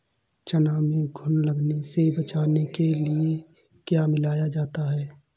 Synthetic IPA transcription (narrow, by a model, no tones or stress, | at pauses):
t͡ʃɐnaːmẽɡʱʊnləɡnesebɐt͡ʃaːnekelie | kjaːmɪlaːjad͡ʒaːt̪aɦɛː